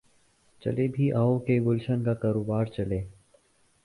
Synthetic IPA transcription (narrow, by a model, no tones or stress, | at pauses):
t͡ʃə̰lebʱiːʔaːokeɡʊlʃənkakaːɾoːbaːɾt͡ʃəleː